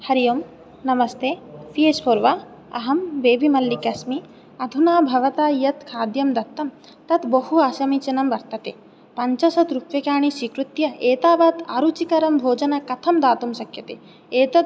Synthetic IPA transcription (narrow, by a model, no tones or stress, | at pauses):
hɐɾijoːm | nɐmɐst̪ʰeːpieːspoɾʋa | ɐ̰ɦɐmbeːbʱimɐlːikɐsmi | ɐd̪ʱunaːbʱɐʋɐt̪aːjɐt̪kʰaːd̪jɐmd̪ɐt̪ːɐm | t̪ɐt̪bɐɦuaːʃɐmit͡ʃɐnɐmʋɐɾt̪ɐt̪ḛː | pɐɲt͡ʃɐsɐt̪ɾukʋjɐkaːɳ̃isiːkɾut̪jɐeːt̪aːbaːt̪a̰ːɾut͡ʃikɐɾɐmbʱoːd͡ʒɐnɐkɐt̪ʰɐmd̪aːt̪umsɐkʰjɐt̪ḛː | eːt̪ɐt̪